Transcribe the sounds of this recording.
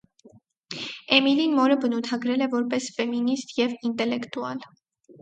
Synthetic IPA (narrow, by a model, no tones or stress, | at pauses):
ɛmilinmɔɾəbənut̪ʰɑɡɾɛlɛvɔɾpɛsfɛminist̪jɛvint̪ɛlɛkt̪uɑl